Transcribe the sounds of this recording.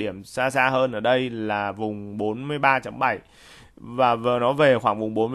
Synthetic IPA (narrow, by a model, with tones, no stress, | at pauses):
ɗi˧˩əmsaː˧saː˧ɦəː˧nʔəː˧˩ɗə˧jlaː˨˩vʊ˨˩ŋ͡mɓo˨˦nmɨ˧əjɓaː˧t͡ɕə˨˦mɓə˧˩j | vaː˨˩və˨˩nɔ˨˦ve˨˩xwaː˧˩ŋvʊ˨˩ŋ͡mɓo˨˦nmɨ˧